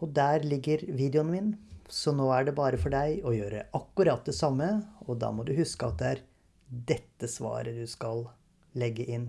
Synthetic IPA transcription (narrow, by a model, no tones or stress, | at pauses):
ɔd̪æːɾlɪɡːəɾʋiːd̪ɛʊnʋɪnsɔnoːæɖɛbɑːɾəfɔɖæɪɔjøːɾə̰ʔɑkːʉɾɑt̪̚d̪ɛsɑmːəɔd̪ɑ̰ːmɔd̪ʉhʉskəɑt̪̚d̪ɛæɾ | d̪ɛt̪ːəsʋɑ̰ːɾəd̪ʉskɑl | lɛɡːəʔɪnː